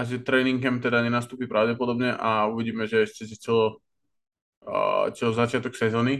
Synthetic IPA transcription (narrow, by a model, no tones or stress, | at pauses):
aʒɛt̪ɾɛːniŋɡɛmt̪ɛd̪aɲɛnas̬t̪uːpipɾaʊɟɛpɔd̪ɔbɲɛʔauʋiɟiːmɛʒɛɛʃcɛs̬it͡sɛlɔ | t͡sɔzat͡ʃɪat̪ɔksɛzɔːni